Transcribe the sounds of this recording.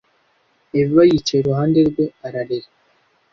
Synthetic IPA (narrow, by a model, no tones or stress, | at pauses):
evwajit͡ʃeɾuɦaːndeɾɡweaɾaɾeɾe